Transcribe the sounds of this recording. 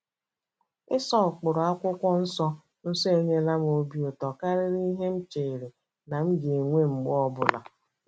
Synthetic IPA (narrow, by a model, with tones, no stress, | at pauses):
ɪ˦sɔ˦˨k͡pʊ˨ɾʊ˨a˦kʷʊ˦kʷɔ˦n̩˦sɔ˦ | n̩˦sɔ˦e˦ɲe˦la˦m˨o˦bi˦o˨tɔ˨ka˦ɾɪ˦ɾi˦ɦe˦m̩˦t͡ʃeː˨ɾe˨ | na˨m̩˦ɡe˨ŋʷe˦ŋ͡m̩˨ɡ͡bʊ˦ɔ˦bʊ˨la̰˨